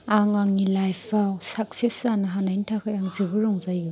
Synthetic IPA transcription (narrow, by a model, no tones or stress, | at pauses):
aŋaŋnilajpʰawsak̚sesanɯɦanajntʰakʰajaŋzɯbɯɾɔŋzajɡɯ